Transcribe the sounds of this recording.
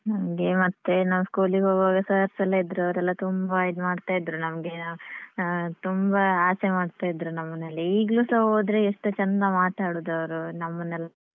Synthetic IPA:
nɐmɐɡe̞mɐt̪ːe̞naːʋuskuːliɡoːɡaːɡɐsɐɐɾsɐlːɐid̪ɾuɐʋɾɛlːɐt̪umbajid̪umaːɖt̪aːjid̪ɾunɐmɐɡe̞ | t̪umbɐaːsemaːɖt̪aːjid̪ɾunɐmːɐnːɐlːɐiːɡluːsɐoːd̪ɾeeʂʈut͡ʃɐnd̪ɐmaːʈ̪aːɽuːd̪ɐʋɐɾunɐmːɐnːɛlːɐ

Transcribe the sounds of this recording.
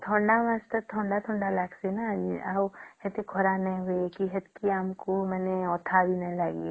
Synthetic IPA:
t̪ʰɔ̃ːɳɖamɐst̪ət̪ʰɔ̃ːɳɖat̪ʰɔ̃ːɳɖalaːksinaahet̪ikʰɔɾanɐĩɦoekiɦet̪kiamkomɛːneɔːt̪ʰabʱinɐĩlaɡe

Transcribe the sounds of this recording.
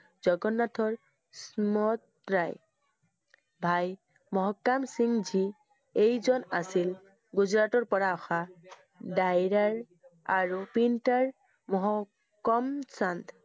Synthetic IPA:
zɔɡɔnatʰɔɹ | smɔt̪ | ɹaj | bʱaj | mɔɦɔkːamsiŋzi | ejzɔnasil | ɡuzɹatɔɹpɔɹaɔxa | dajɹaɹ | aɹupintaɹ | mɔɦɔ | kːɔmsand̪

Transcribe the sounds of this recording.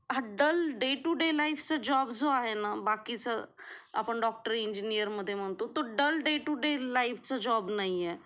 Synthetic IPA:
ɦaɖəlɖeʈuɖelaifʰt͡sad͡ʑɔbd͡zoaɦenabakit͡səa̰pəɳɖɔk̚ʈəɾiɲd͡ʒinijəɾməd̪ʱːjem̤əɳt̪ot̪oɖəlɖeʈuɖelaifʰt͡sad͡ʒɔbnaiɛ

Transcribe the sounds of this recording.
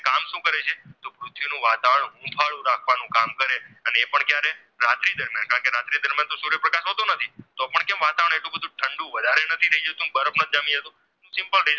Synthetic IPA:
kamʃũkəɾet͡ʃʰet̪opɾʊt̪ʰʋinũʋat̪aʋəɳɦũbʰʱaɭũɾakʰʋanũkamkəɾeəneːpəɳkjaɾe | ɾat̪ɾid̪əɾmjã̰nkaə̃ɳ̃keɾat̪ɾid̪əɾmjant̪oʃuɾəpɾəkaʃɦot̪onət̪ʰit̪opəɳkɛ̃mʋat̪aʋəɳ̃eʈlũbəd̪ʱũʈʰəɳɖũʋəd̪ʱaɾenət̪ʰiɾəid͡ʒət̪ũbəɾəpnəd͡ʒamĩət̪ũ | ɦũsɪmpəlɖi

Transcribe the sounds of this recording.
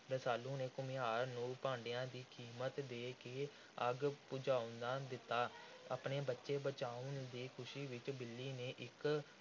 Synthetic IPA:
ɾəsaːlũːneːkʊmijaːɾnũːpãːɳɖejãːd̪iːkʰiːmət̪d̪eːkeː | əɡpʊd͡ʒaːʊ̃nd̪aːd̪ɪt̪ːaːa̰ːpneːbətːʃeːbət͡ʃaːʊnd̪iːkʰʊʃiːʋɪt͡ʃbɪlːiːneːʔɪk

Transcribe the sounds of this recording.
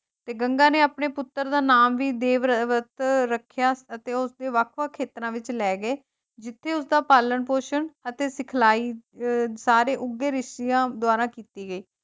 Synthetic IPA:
t̪eːɡəŋɡãːneːaːpɳeːpʊt̪ːəɾd̪aːnaːmʋiːd̪eːʋəʋət̪ɾəkʰːjaːət̪eːʊsd̪eːʋakʰʋakʰeːt̪ɾãːʋɪt͡ʃlɛːɡeː | d͡ʒɪt̪ʰːeːʊsd̪aːpaːləɳpoːʃənət̪eːsɪkʰlaːiːsaːɾeːʔʊɡːeːɾɪʃʈiːjãːd̪ʊaːɾãːkiːt̪iːɡəiː

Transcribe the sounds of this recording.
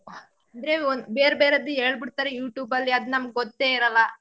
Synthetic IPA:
ɐnd̪ɾe̞onbeːɾbeːɾɐd̪ːuɦe̞ːɭbiɽt̪aːɾejuːʈjuːbɐlːiɐd̪unɐmɡ̚eɡot̪ːeːiɾɐlːɐ

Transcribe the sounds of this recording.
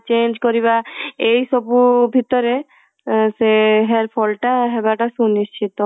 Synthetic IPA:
t͡ʃend͡ʒkɔɾiβaejsɔbubʱit̪ɔɾe | seɦeɾpʰɔlʈaɦebaʈasunist͡ʃʰit̪ɔ

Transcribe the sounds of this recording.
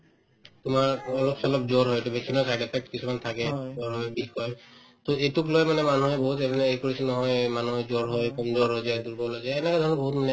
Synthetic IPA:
t̪ʊmaɹɔlɔpsɔlɔp̚d͡ʒɔɹɦojetubeksinɔsajʈepʰɛk̚ʈkisumant̪ʰakɛzɔɹɦɔjbikkɔj | t̪oetuklojmanɛmanuɦɛbɔɦut̪ɛbɛnɛejkoɹisɛnɔɦɔjmanuɦɛzɔɹɦojkɔmzɔɹɦojzajduɹbɔlojzajɛnɛkad̪ʱɔɹnɔbɔɦut̪manɛ

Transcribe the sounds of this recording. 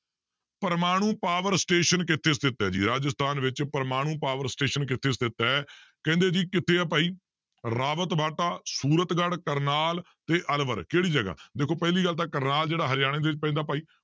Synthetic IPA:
pəɾmaːɽ̃ũːpaːʋəɾsʈeːʃənkɪt̪ʰːeːst̪ɪt̪ːɛːd͡ʒḭːɾaːd͡ʒəst̪ʰaːnʋɪt͡ʃpəɾmaːɽ̃ũːpaːʋəɾsʈeːʃənkɪt̪ʰeːst̪ɪt̪ːɛɛkɛ̃ːnd̪eːd͡ʒiːkɪt̪ʰːeːɛːp̬aːiː | ɾaːʋət̪baːʈaːsuːɾət̪ɡəɽkəɾnaːl | t̪eːʔəlʋəɾkeːɽiːd͡ʒəɡa̰ːd̪eːkʰoːpɛːliːɡəlt̪aːkəɾnaːld͡ʒeːɽaːɦəɾɪjaːɽẽːd̪eːɪt͡ʃpɛ̃ːd̪aːpaːiː

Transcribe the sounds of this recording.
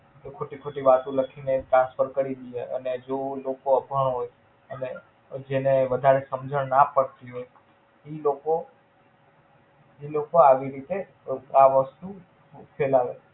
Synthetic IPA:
t̪okʰoʈikʰoʈiʋat̪ũləkʰineʈɾãnsfʰəɾkəɾid̪ieʔə̰ned͡ʒolokoəbʱəɳ̃ɦoj | əne | d͡ʒeneʋəd̪ʱaɾesəmd͡ʒʱəɳ̃napəɾt̪iɦoj | iloko | ilokoaʋiɾit̪e | aʋəst̪u | fʰelaʋe

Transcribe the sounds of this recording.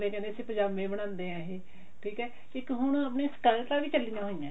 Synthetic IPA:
lẽːkɛ̃nd̪eːəsiːpəɲd͡ʒaːbmẽːbəɽ̃ãːnd̪eːɦɛ̃ːɦiː | ʈʰiːkɛː | kɪkɦʊɳ̃əp̬neːskɛʈaːʋiːt͡ʃəlɪjãːɦoːijãː

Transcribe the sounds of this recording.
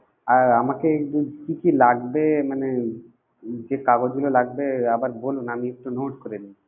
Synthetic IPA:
aɾamakeekdukikilaɡbemane | d͡ʑekaɡod͡ʑɡulolaɡbeabaɾbolunamiek̚ʈunoʈkoɾeni

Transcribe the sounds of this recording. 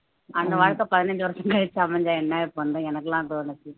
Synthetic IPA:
ɐnd̪ɐʋaːɻkːɐpɐðɪnɐɲd͡ʒɯʋɐɾɐʂɐ̃ŋkɐɻɛt͡ʃːɯɐmɛɲd͡ʒaːɛnːaːjɛpːoʋɐnd̪ɐɛnɐkːɐlãːt̪onɐt͡ʃːi

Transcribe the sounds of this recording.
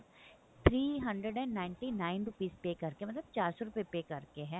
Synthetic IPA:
t̪ʰɾiːɦə̃ɳɖɾəɖɛ̃ɖːaːɪɳʈiːnaːɪnɾʊpiːzpeːkəɾkemət̪ləb̚t͡ʃaːɾsɔɾʊpepeːkəɾkeɦɛː

